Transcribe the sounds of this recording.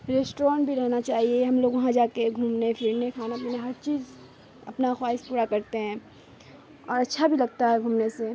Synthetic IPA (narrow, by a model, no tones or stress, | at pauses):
ɾeːsʈɔ̃ːɳʈbʱiɾɛɦnat͡ʃaːɦieɦɐmloːɡʋɐɦãd͡ʒaːkeɡʱuːmnefʰɪɾnekʰaːnapineɦɐɾt͡ʃiːz | ɐ̰pnaxwaːɪspuːɾakɐɾt̪eɦɛ̃ː | ɔːɾɐtːʃʰabʱilɐɡ̚t̪aɦɛɡʱuːmnese